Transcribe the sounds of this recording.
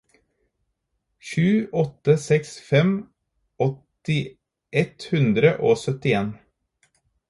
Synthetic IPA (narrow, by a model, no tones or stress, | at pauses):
ʃʉːɔt̪əsɛksfɛm | ɔt̪ɪ | ʔɛt̪hʉnd̪ɾəʔoːsœt̪ɪeːn